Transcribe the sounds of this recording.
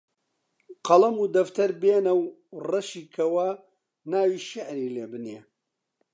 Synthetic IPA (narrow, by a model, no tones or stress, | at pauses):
qʰɐlˠɐmud̪ɐft̪ɐɾbeːnɐwrɐʃiːkʰɐwɐ | naːwiːʃɪʕɾiːleːbɨneː